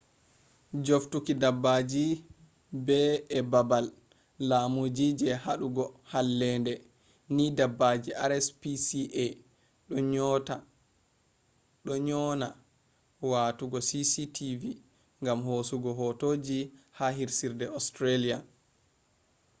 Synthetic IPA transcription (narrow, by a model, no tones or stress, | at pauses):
d͡ʒoftukidabːad͡ʒi | bɛɛbabalː | amud͡ʒid͡ʒɛhaɗuɡɔhalːɛndɛ | nidabːad͡ʒiaɾɛspisiʔɛ | ɗɔɲɔta | ɗɔɲɔna | watuɡɔsisitʰivi | ŋɡamhosuɡɔɦɔtoːd͡ʒihaɦiɾsiɾdɛɔstɾalia